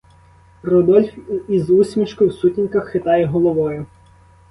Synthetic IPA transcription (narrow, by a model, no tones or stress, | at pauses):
rɔd̪ɔlʲfizusʲmʲit͡ʃkʊwsutʲinʲkɐxːɪt̪ɑjɛɦɔlˠɔʋɔjʊ